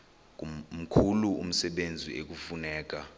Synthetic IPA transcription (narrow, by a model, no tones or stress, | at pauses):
k̬um̩kʰuluṵm̩sɛɓend͡zʱḭek̬ufunɛːk̬a